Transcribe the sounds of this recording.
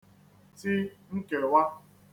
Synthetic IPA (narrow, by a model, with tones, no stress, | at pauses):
ti˦ŋ̩˦ke˨wa˦